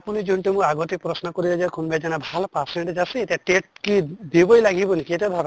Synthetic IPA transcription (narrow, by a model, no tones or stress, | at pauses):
apunid͡ʒuɳʈemũaɡot̪ik̚pɾɔsnɔkoɾibad͡ʒakʰumbed͡ʒanabʱalɔpaɾseɳʈd͡ʒaseetiaʈeʈ̚kid̪ibojlaɡibɔnikiet̪ib̪ʱaɾ